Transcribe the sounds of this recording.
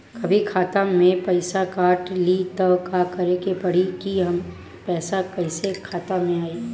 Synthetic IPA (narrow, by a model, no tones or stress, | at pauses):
kɐbʱikʰaːt̪amẽpɐɪsakaːʈlit̪ɐkakɐɾekepɐɽ̤ikiɦɐm | pɛːsakɐɪsekʰaːt̪amẽaːiː